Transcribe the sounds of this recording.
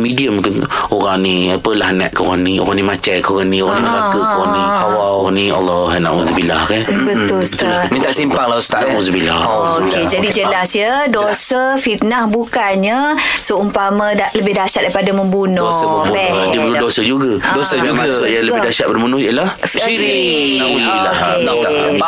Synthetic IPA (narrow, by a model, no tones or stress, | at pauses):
midiəmkɪnoɾaŋniapəlahnɛʔkəoɣanio̰ɣaŋnimat͡ʃajkəoɣanĩoɣaŋnimalakəkəɣanihawaoɣania̰lːɔɦanaʔa̰uzubilahkanbət̪ʊlst̪amint̪aʔsimpaŋlahust̪aʔauzubilahoked͡ʒadid͡ʒəlasjədosəfit̪̚nahbukanɲəsəumpamadaləbɪhdaʃat̪̚daipadaməmbunɔosəməbbɛdibəludosəd͡ʒuɡadosəuɡ | jaləidaʃat̪̚badamunuhjəlah | fi | i | auila | enat̪a̰